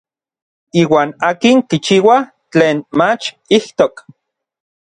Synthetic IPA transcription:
iːwaːnaːkiŋkit͡ʃiːwa | t͡ɬeːnmat͡ʃ | iht̪ok

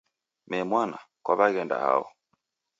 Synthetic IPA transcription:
mɛmwana | kwaβaɣɛnda̰ha̰ɔ

